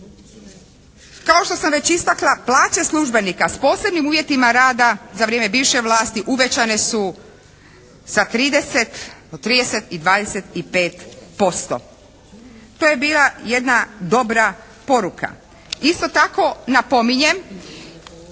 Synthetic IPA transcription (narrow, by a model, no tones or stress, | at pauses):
kao̞ʃt̪o̞samʋe̞t͡ɕist̪aklˠaplˠaːt͡ɕe̞slˠuʒbe̞nikaspo̞ːse̞bnimuːʋje̞t̪imaɾaːd̪azaʋɾjeːmebiːʋʃeʋlˠaːst̪iʔuʋe̞t͡ɕane̞su | z̥at̪ɾiːd̪e̞set̪ot̪ːɾiːd̪e̞set̪id̪ʋaːd̪eset̪ipe̞ːt̪po̞st̪o̰ | t̪oje̞biːlˠaje̞d̪nad̪o̞bɾa | po̞ɾuka̰ | ist̪o̞t̪ako̞napo̞miɲe̞m